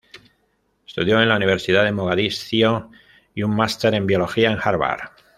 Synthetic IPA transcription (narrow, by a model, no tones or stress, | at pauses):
est̪uðjo̞e̞nlauniβ̞e̞ɾsiðaðe̞moɣ̞aðisθjo | iuŋmːast̪e̞ɾẽ̞mbjo̞lo̞xiae̞ŋxaɾβa̰ɾ